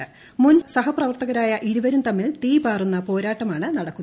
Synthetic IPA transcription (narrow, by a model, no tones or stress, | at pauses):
ɨ | munsɐɦɐprɐʋɐrt̪ɐɣɐɾaːjɐʔiɾuʋɐɾumt̪ɐmːilt̪iːbaːrunːɐpo̞ːɾaːʈːɐmaːɳɨnɐɽɐkːunː